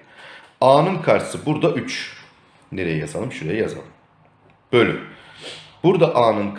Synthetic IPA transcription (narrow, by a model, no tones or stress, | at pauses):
aːnɯnkʰaɾsɯbuɾd̪aʔyt͡ʃ | neɾejɛjazalˠɯmʃuɾejɛjaza̰lˠɯmm | b̥ølʲy | b̥uɾd̪aʔaːnɯnkʰ